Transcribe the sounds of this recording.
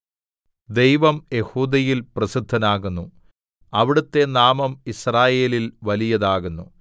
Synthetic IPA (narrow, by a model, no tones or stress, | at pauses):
d̪e̞jʋɐmje̞huːd̪ɐjilprɐsid̪ʱːɐnaːɣunːu | ɐʋiɽut̪ːe̞naːmɐmisraːje̞ːlilʋɐlijɐðaːɣunːṵ